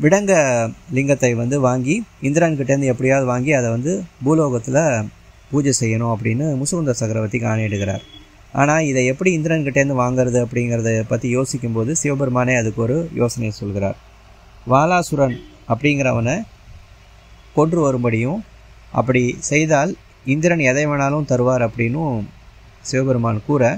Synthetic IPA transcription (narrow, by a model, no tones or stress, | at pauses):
ʋɪɽɐŋɡɐlɪŋɡɐt̪ːɐɪʋɐnd̪ɯʋaːŋɡiɪnd̪ɪɾɐnkɪʈːeːɾɯnd̪ɯɛpːɐɽɪjaːðɯʋaːŋɡiɐðɐʋɐnd̪ɯbuːloːɣɐt̪ːɪlɐ | puːd͡ʒɐsɛjːɐɳʊ̃ɐp̬ːɐɽɪnːɯmʊsɐkɯnd̪ɐsɐkɐɾɐʋɐt̪ːikaːnɐɪɽɯɣɪɾa̰ːɾ | a̰ːnaːɪðɐɛpːɐɽiɪnd̪ɪɾɐnkɪʈːeːɾɯnd̪ɯʋaːŋɡɪɾɐðɯɐpːɐɽɪŋɡɪɾɐðɐpɐt̪ːijoːsɪkʲːɯmpoːðɯsɪʋɐbɐɾɯmaːneːɐðɯkːɯɔɾɯjʔo̰ːsɐnɐjɐsɔlɣɪɾa̰ːɾ | ʋaːlaːsʊɾɐn | ɐpːɐɽɪŋɡɪɾɐʋɐnɐ | kɔɳɖrɯʋɐɾɯmbɐɽɪjʊ̃ | ʔɐ̰p̬ːɐɽisɛjðaːl | ɪnd̪ɪɾɐnɛðɐɪʋeːnaːlʊ̃t̪ɐɾɯʋaːɾɐpːɐɽɪnːɯ̃ | sɪʋɐbɐɾɯmaːnkuːɾɐ